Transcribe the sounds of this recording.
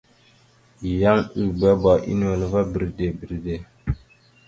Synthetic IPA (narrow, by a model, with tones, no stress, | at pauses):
ja˦ŋi˦˨bə˦ba˨ʔḭ˦n˦wə˨lva˦bi˨ɾde˨bi˨ɾde˨